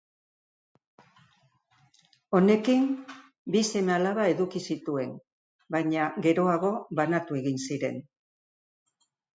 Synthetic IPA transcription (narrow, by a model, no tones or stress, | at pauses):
o̞ne̞kim | bise̞mealaβae̞ðukisit̪ue̞n | bajɲaɣe̞ɾo̞aɣo̞βanat̪ue̞ɣinsiɾe̞̰n